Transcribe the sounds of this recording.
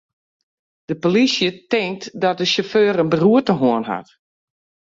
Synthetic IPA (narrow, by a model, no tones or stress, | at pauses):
d̥əpolisjətɪŋ̚tdɔt̚dəʃoføːɾənbəruətəɦoənɦa̰t